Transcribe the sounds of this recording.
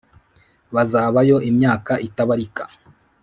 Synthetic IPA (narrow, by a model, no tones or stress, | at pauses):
βazaːβajo̞ʔimɲaːkaʔitaβaɾikḁ̰